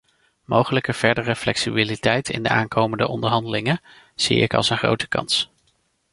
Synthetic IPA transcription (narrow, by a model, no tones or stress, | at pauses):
mowχələkəv̥ɛɹdərəflɛksibilitɛjtɪ̰ndəaːŋkʰowməndəʔɔndəɹɦɑndəlɪŋə | z̥ḭɪ̰kɑ̰lˠsənχro̰wtə̥kɑ̰ns